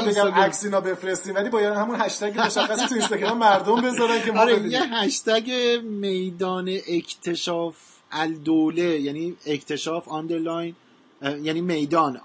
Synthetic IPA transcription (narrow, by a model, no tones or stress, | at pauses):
ieɡæmæksiːnɒbe̞fɾest̪iːmvæliːbɒːjæd̪hæmunhæʃt̪æɟemoʃæxːæsit̪uinst̪ɒɡɾɒmːæɾd̪ombe̞zɒːɾænkʰemɒɾejeɦæʃt̪æɟemejd̪ɒːneʔecʰt̪ʰe̞ʃɒːf | ʔæzd̪oːlejæniːecʰt̪ʰe̞ʃɒːfɒnd̪eɾlɒjn | jæniːmejd̪ɒːn